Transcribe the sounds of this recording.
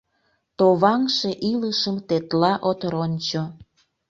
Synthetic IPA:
t̪oβɑŋʃeʔiləʃəmt̪et̪lɑʔot̪ɾonʲt͡ɕo

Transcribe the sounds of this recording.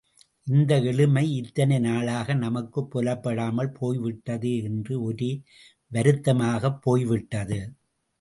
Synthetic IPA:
ʔɪnd̪ɐɛɭɯmɐɪɪt̪ːɐnɐɪnaːɭaːɣɐnɐmɐkːɯpːɔlɐpːɐɽaːmɐɭpʰoːjʋɪʈːɐðɯɛndrɯɔɾi | ʋɐɾɯt̪ːɐmaːɣɐpːoːjʋɪʈːɐðɯ

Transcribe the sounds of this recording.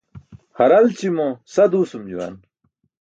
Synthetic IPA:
hɐɾalt͡ɕimõsɐd̪uːsumd͡ʑṵwa̰n

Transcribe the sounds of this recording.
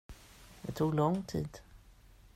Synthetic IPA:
d̪ɛt̪ʰuːɡlɔŋt̪ʰḭːd̪

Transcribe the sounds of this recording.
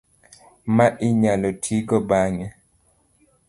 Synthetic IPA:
maʔɪɲalɔtʰiɡɔbaŋɛ

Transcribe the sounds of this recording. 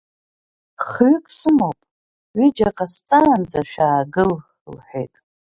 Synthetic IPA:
χɥʏkʼsɨmowpʼ | ɥid͡ʒaqʼast͡sʼand͡zʼaʃᶣaːɡɨl | lħʷḛjtʼ

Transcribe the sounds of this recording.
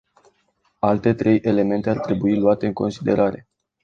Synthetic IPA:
alt̪e̞t̪ɾe̞jʔe̞le̞me̞nt̪e̞art̪ɾe̞builuat̪e̞ɨŋko̞nsid̪e̞ɾʔaɾe̞̰

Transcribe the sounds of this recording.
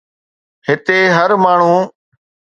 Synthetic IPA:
hɪt̪eːɦəɾmaːɳ̤ũː

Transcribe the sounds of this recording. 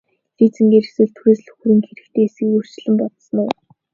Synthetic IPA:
ɮiːt͡sɘ̆ŋɡeɾɘ̆xsɘ̆ɮt̪ʰuxeːsɮɵ̥xɾĭːŋxeɾɘ̆kt̪ʰeːesɡɘ̆kjɵr̥t͡ɕ̆ɮɘ̆mpɔt̪sə̆nʊː

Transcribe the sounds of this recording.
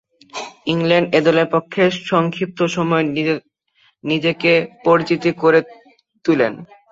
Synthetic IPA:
iŋleɳɖed̪oleɾpokʰːeʃɔŋkʰip̚t̪oʃɔmɔe | nid͡ʑekepoɾit͡ɕit̪ikoɾe | t̪ulḛn

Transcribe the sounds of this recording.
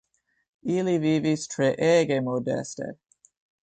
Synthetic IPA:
iːliviːvistʰɹɛʔɛːɡemodɛ̰stḛ

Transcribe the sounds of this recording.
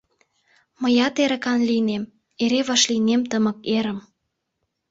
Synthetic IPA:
məjɑt̪eɾə̆kɑnlinem | eɾeβɑʃlinemt̪əmə̆keɾə̆m

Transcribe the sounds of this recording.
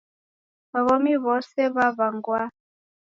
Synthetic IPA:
βaβɔmiβɔsɛβaβaŋɡwa

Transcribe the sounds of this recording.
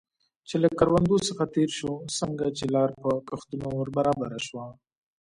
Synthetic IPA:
t͡ʃelakaɾwand̪osəxat̪eɾʃosəŋɡat͡ʃelɑɾpəkaxt̪unowəɾbaɾɑbaɾaʃwa

